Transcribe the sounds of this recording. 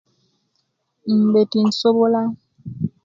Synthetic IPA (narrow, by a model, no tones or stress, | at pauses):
m̩betin̩sobola